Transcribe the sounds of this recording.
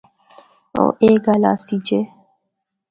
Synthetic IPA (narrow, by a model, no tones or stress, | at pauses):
o̰ʔeɡalasid͡ʒe